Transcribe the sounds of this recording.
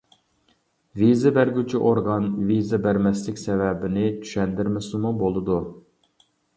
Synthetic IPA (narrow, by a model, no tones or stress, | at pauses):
vizɨbæɾɡʲyt͡ʃʰiʔoɾʁɑnvizɨbæɾmɛslɪkʲsɛvɛbɪnɪt͡ʃ̪ʰy̥ʃɛnd̪ɪɾmɪsumubolˠɨd̪u